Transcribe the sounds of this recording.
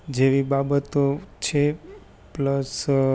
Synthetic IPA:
d͡ʒeʋibabət̪ot͡ʃʰe | pləs

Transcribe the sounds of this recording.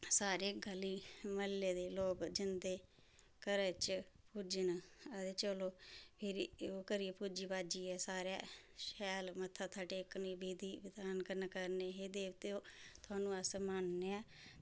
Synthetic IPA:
saːɾeːɡəliːməlːeːd̪eːloːɡd͡ʒɪnd̪eː | kəɾeːt͡ʃpuːd͡ʒənəd̪eːt͡ʃəloːpʰɪɾoːkəɾieːpuːd͡ʒiːpaːd͡ʒiːɛːsaːɾja̰ː | ʃɛːlmət̪ʰːaːt̪ʰaːʈeːkːniːbeːd̪iːʋɪd̪aːnkəɾnkəɾneːɦeːd̪eːt̪eoːt̪ʰʊaːnũːəsmanneːaː

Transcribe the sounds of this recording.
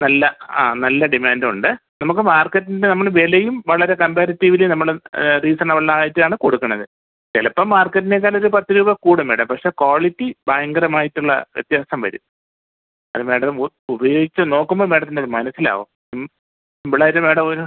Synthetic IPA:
nɐlːɐaːnɐlːɐɖimaːndmuɳɖɨnɐmuk̬ːɨmaːrkɐtːindenɐmːɐɭʋelejumʋɐɭɐɾe̞kɐmpaːɾɐtːiʋilenɐmːɐɭriːsɐnɐʋɐɭnaːjitːɨaːɳɨkoɽukːɐɳːɐðɨ | telɐpːomːaːrkːɐtːinek̬ːaːlo̞ɾupɐt̪ːiɾuːbɐkuːɽɐme̞ːɽɐmpɐkʂe̞ːkoːɭitːibaːjɐŋɡɐɾɐmaːjitːuɭːɐ̰ʋjet̪jaːsɐmʋɐ̰ɾṵm | ɐ̰ðɨme̞ːɽɐm | ubɐjo̞ːɡit͡ɕːuno̞ːkːumbomeːɽɐt̪ːindeoɾumɐnɐsːila̰ːʋo̰ː | ʋɐɭɐɾume̞ːɽɐmoɾu

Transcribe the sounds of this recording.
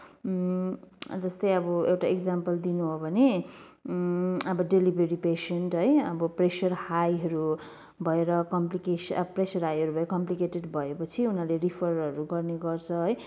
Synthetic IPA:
d͡zʌst̪ʌjʌbʌewʈaekd͡zampʌld̪inuɦobʱʌne | ʌbʌɖelibreɾipesenʈɦʌjʌbʌpresʌrhajɦʌɾu | bʱʌeɾʌkʌmplikesʌpresʌrɦajɦʌɾubʱʌeɾʌkʌmplikeʈeɖbʱʌepʌt͡sʰiunaleripʰʌrʌɾuɡʌrneɡʌrt͡sʰʌɦʌj

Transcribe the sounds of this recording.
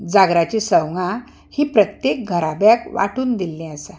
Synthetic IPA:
d͡zaɡɾat͡ɕisəwŋa | hiːpɾət̪jek̚ɡʱəɾabjakʋa̰ʈuːnd̪ilːẽəsa

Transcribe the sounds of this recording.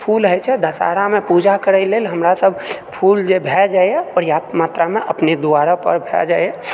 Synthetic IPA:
pʰulɦəjt͡ʃʰɛd̪əsa̰ɾamepud͡ʒakəɾəlelɦəmɾasəbʱpʰuld͡ʒebʱɛd͡ʒajjɛpəɾjat̪mat̪ɾameʔəpned̪uaɾapə̰ɾbʱɛ̰d͡ʒajɛ

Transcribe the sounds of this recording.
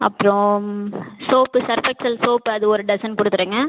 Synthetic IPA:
ɐ̰pːɯɾɔ̃ | soːpːɯsɐɾfɛksɐlsoːpɐðɯɔɾɯɖɐsɐnpʊɽɯt̪ːɯɾɯːŋɡɐ

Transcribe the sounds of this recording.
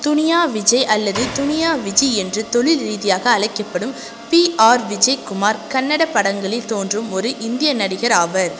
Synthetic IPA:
t̪ʊnɪjaːʋɪd͡ʒɐɪʔɐlːɐðɯt̪ʊnɪjaːʋɪd͡ʒiɛndrɯt̪ɔɭɪlɾiːðɪjaːɣɐːɭɐɪkːɐpːɐɽɯm | piaːɾʋɪd͡ʒɐɪkʊmaːɾkɐnːɐɽɐpːɐɽɐŋɡɐɭɪt̪oːndrɯmɔɾɯʔɪnd̪ɪjɐnɐɽɪɣɐɾaːʋɐɾ

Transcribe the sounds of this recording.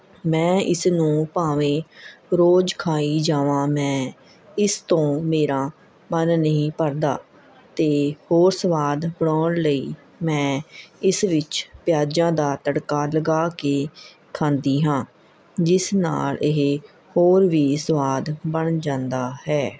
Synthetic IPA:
mɛ̃ːʔɪsnũːpaːʋẽːɾoːd͡ʒkʰaːiːd͡ʒaːʋãːmɛ̃ː | ɪst̪õːmeːɾãː | mənːəɦĩːpəɾd̪a̰ː | t̪eːhoːɾsəʋaːd̪bəɳɔːnləiː | mɛ̃ːɪsʋɪt͡ʃpɪjaːd͡ʒãːd̪aːt̪əɽkaːləɡaːkeː | kʰãːnd̪iːɦãː | d͡ʒɪsna̰ːlɪɦ | hoːɾʋiːsəʋaːd̪bəɳd͡ʒãːnd̪aːhɛː

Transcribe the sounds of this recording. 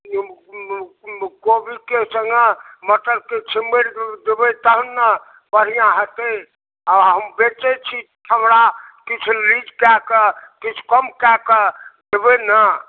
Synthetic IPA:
kobikesəŋɡəməʈəɾket͡ʃʰimbeɾd̪ebɛt̪əɦənːə | bəɽ̤ijãɦət̪e | aɦɦəmbet͡ʃɛt͡ʃʰit̪ʰəmɾakit͡ʃʰlid͡ʒkɛkəkit͡ʃʰkəmkɛkəd̪ebenə

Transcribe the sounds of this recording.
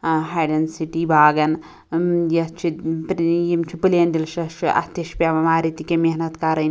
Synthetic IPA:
ɦɐjɖɐnsiʈibʱaːɡɐn | jɐt͡ʃʰipjimt͡ʃʰipɨlijɐnd̪ilʃɐʃʰiʔɐ̰st̪iʃpʲaʋɐmaːɾit̪ikemeɦnɐt̪kaɾɐn

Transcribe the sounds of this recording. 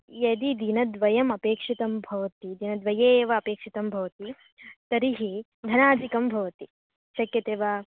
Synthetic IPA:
jɐd̪id̪inɐd̪ʋɐjɐmɐpeːkʂit̪ɐmbʱɐʋɐt̪id̪inɐd̪ʋɐjeːʋɐːpeːkʂit̪ɐmbʱɐʋɐt̪i | t̪ɐɾiɦi | d̪ʱɐnaːd͡ʒikɐmbʱɐʋɐt̪i | t͡ʃɐkjɐt̪eːʋa

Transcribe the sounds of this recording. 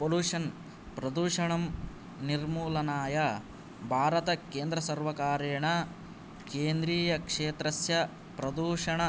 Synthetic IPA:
poluːʂɐn | pɾɐd̪uːʂɐɳɐm | niɾmuːlɐnaːjɐ | bʱaːɾɐt̪ɐkeːnd̪ɾɐsɐɾʋɐkaːɾeːɳɐ | keːnd̪ɾiːjɐkʂeːt̪ɾɐsjɐ | pɾɐd̪uːʂɐɳɐ

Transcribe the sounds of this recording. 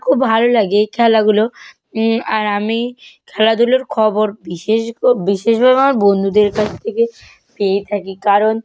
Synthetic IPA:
kʰubbʱalolaɡekʰɛlaɡulo | aɾamikʰɛlad̪uloɾkʰɔboɾbiʃeʃbiʃeʃbʱabeamaɾbond̪ʱud̪eɾkat͡ɕʰt̪ʰeke | peet̪ʰakikaɾon

